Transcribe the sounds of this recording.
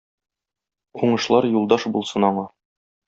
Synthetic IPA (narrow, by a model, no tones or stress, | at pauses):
quɴɤ̆ʃlˠɑɾjulˠd̪ɑʃbulˠsɤnɑɴɑ